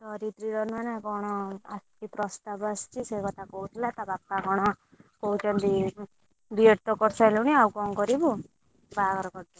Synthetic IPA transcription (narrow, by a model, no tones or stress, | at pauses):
tɔɾit̪ɾiɾɔnmanakɔɽ̃ɔas | ipɾɔst̪abast͡ʃisekɔt̪ʰakɔut͡ʃʰilat̪ɔbap̚kːakɔɽ̃ɔ | kɔut͡ʃʰɔnd̪i | d̪ieʈt̪ɔkɔɾsʰɔelɔniawkɔŋkɔɾibu | baɡɔɾɔkɔɾt̪i